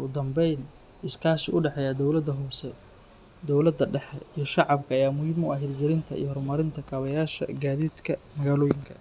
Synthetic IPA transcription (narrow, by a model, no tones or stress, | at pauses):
ʔʊd̪ɐmbɛjn | ɪskʰaːʃɪʔʊɖɛħɛjaːd̪ɔwlɐd̪ɐɦɔsɛ | d̪ɔwlɐd̪ɐɖɛħɛijɞʃɑʕɑbkʰɐːjaːmʊjɪmʊɐɦɪrɡɛlɪnt̪ʰɐḭjɞhɔrmɐɾɪnt̪ʰɐkʰaːβɐjaːʃɐ̰ɡaːðiːd̪kʰɐmɐɣaːlɔːjɪŋkʰɐ